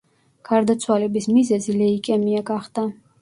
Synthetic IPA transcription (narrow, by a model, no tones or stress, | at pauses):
ɡ̥aɾd̪at̪sʰwalɛbismizɛzilɛikʼɛmiaɡaχd̪̥a